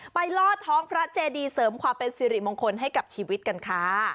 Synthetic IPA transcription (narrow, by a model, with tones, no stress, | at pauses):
pa˧jlɔː˥˩t̪̚ʰːɔː˦˥ŋpʰɾa˦˥t͡ɕeː˧diː˧sɤː˩˦mkʰwaː˧mpe˧nsiː˧ɾi˨˩mo˧ŋkʰo˧nɦa˥˩jka˨˩p̚t͡ɕʰiː˧wi˦˥t̪̚ka˧nkʰaː˦˥